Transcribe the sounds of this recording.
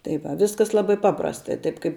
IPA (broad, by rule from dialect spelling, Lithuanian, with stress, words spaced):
tɐɪ ˈʋɐ ˈʋʲɪskɐs ˈlˠɑːbɐɪ ˈpɑːprɐstɐɪ ˈtɐɪp ˈkɐɪp